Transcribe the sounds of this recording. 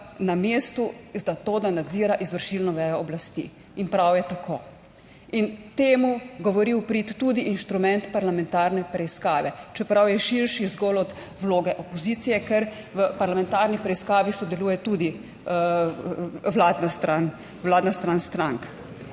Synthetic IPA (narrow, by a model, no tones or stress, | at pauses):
nameːst̪uzat̪oːd̪anad̪ziːɾaʔizʋəɾʃilnɔʋɛjɔɔblast̪ḭ | inpɾawjɛt̪akʰoː | int̪eːmuɡɔʋɔɾiwpɾit̪ːuːd̪iʔinʃt̪ɾumɛnt̪paɾlamɛnt̪aɾnɛpɾɛiskaːʋɛt͡ʃɛpɾawjɛʃiɾʃizɡɔlɔd̪ | wloːɡɛʔɔpɔziːt̪sijɛkɛɾ | ʋəpaɾlamɛ̃nt̪aɾnipɾɛiskaːʋisɔd̪ɛluːjɛt̪ud̪i | ʋlaːd̪nast̪ɾan | wlaːd̪nast̪ɾanst̪ɾaŋk